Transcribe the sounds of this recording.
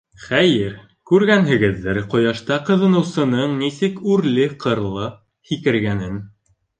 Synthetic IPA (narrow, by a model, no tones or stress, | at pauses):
χæjɘɾ | kʉɾɡænɦɘ̆ɡɘ̆ðːɘɾqŏjɑʃt̪ɑqɤ̆ðɤ̆nɤ̆wsɤ̆nɤɴnisɘkʉɾlɘqʰɤ̆ɾlˠɤ | hikɘ̆ɾɡænɘn